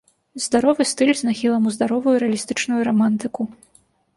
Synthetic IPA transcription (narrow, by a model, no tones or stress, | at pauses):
zd̪aɾɔvɨst̪ɨlʲznaxʲilˠɐmuzd̪aɾɔvujuɾɛɐlʲist̪ɨt͡ʂnujuɾamant̪ɨku